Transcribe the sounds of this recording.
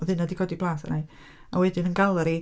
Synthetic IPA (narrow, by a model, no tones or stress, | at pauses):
ɔðɨnːadikʰɔːdib̥lˠaːθa̰na | awɛdɪnənɡalˠaɾi